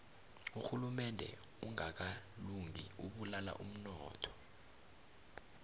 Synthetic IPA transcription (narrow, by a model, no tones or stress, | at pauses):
uxulumɛndʱɛ̰ | uŋak̬aluŋiuɓulala̰ʔum̩nɔːtʰɔ̥